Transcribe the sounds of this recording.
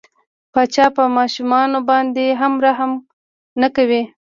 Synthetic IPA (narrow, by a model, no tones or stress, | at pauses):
pɑt͡ʃɑpəmɑʃumɑnobɑnd̪eɦamɾɑɦam | nakawi